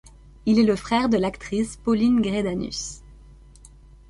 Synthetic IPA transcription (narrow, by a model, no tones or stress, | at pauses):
ilɛləfχɛʁd̪əlakt̪χispɔlinɡʁed̪any̰s